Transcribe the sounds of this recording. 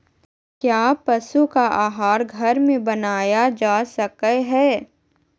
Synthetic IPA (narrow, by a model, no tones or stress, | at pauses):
kjaːpɐsukaʔaːɦaːɾɡʱɐɾmẽbɐnaːjad͡ʒaːsɐkəɦɛː